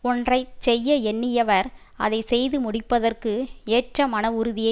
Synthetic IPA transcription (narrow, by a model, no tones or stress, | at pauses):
ɔndrɐɪt͡ʃsɛjːɐɛnːɪjɐʋɐɾ | ɐ̰ðɐɪsɛjðɯmʊɽɪpːɐðɐrkɯeːʈrɐmɐnɐʊɾʊðɪjɐ